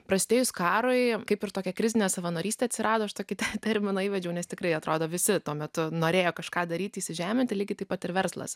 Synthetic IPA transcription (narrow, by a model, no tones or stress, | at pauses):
pɾɐsʲt̪ʲeːjʊskɑːɾʊɪkɐɪpɪrt̪oːkʲɛkɾʲɪzʲɪnʲeːsɐʋɐnoːɾʲiːsʲt̪ʲɛːɐt̪ʲsʲɪɾɑːd̪oːɐʃt̪oːkʲɪt̪ʲɛt̪ʲɛɾʲmʲɪnɐiːʋʲɛd͡ʒʲɛʊnʲɛst̪ʲɪkrɐɪɐt̪ɾoːd̪oːʋʲɪsʲɪt̪uɔmʲɛt̪ʊnoːɾʲeːjoːkɐʃkɑːd̪ɐɾʲiːt̪ʲiːsʲɪʒʲæːmʲɛnt̪ʲɪlʲiːɡʲɪt̪ɐɪpɐt̪ɪɾʋʲɛɾslˠɐ̰s